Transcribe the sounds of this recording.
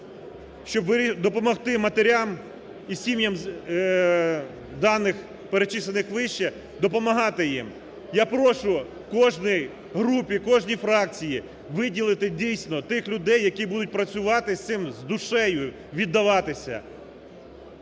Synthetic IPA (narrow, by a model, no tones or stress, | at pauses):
ʃt͡ʃɔbʋɪd̪ɔpɔmɔxt̪ɪmɐt̪eɾʲam | isʲimjɐm | d̪ɑnːɪx | peɾet͡ʃɪsenɪxʋɪʃt͡ʃɛ | d̪ɔpɔmɐɦɑt̪ɪjim | japɾɔʃʊ | kɔʒnʲij | ɦɾupʲikɔʒnʲifɾɑk̚t͡sʲiji | ʋɪdʲilˠɪt̪ɪdʲijsʲnɔt̪ɪxlʲʊd̪ɛjːɐkʲibud̪ʊt̚ʲpɾɐt͡sʲʊʋɑt̪ɪst̪ɪmzd̪ʊʃɛjʊ | ʋʲid̪ːɐʋɑt̪ɪsʲɐ̰